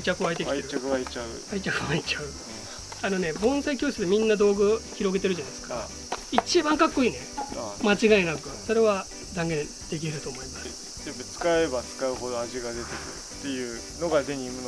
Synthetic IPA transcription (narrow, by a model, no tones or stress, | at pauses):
t͡ɕːakɯ̟βaet̪e̞kieɾ̟kɯaet͡ɕaɯ̰ait͡ɕakɯβaet͡ɕaɯ̟ | ano̞ne̞bõ̞ɰ̃saikʲoːsɨd̪e̞mʲĩnːad̪o̞ːɡɯ̟çʲiɾo̞ɡe̞t̪e̞ɾɯ̟ʑanai̥sɨ̥ka | it͡ɕibãŋkakːo̞iːne̞mat͡ɕiɡaenakɯ̟so̞ɾe̞βa | d̪ãŋɡẽ̞n | d̪̥e̞k̬ʲiɾɯ̟t̪o̞ːmo̞imasɨ̥ | d̪emet͡sɨ̥kaebat͡sɨ̥kaɯ̟ɦo̞d̪o̞aʑiɡad̪e̞t̪e̞kɯ̟̰ɾɯ̰t̪ːe̞jɯ̟ː | no̞ɡad̪e̞ɲ̟imɯn